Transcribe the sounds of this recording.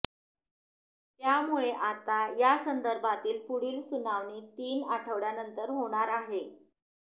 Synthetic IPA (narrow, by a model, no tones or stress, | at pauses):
t̪jamuɭeʔat̪ajasənd̪əɾbʱat̪iːlpuɽiːlsunaʋɳiːt̪iːnaʈʰəʋɽjanənt̪əɾɦoɽ̃aɾaɦe